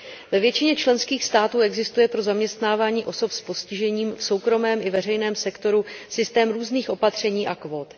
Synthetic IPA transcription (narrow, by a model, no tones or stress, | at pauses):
vɛvjɛt͡ʃɪɲɛt͡ʃlɛnskiːxst̪aːt̪uːɛɡzɪst̪ujɛpɾo̞zamɲɛst̪naːvaːɲiːʔo̞so̞pspo̞scɪʒɛɲiːmfso̞wkɾo̞mɛːmɪvɛr̝ɛjnɛːmsɛkt̪o̞ɾusɪst̪ɛːmɾuːzniːxʔo̞pat̪r̝̥ɛɲiːʔakvo̞ːt̪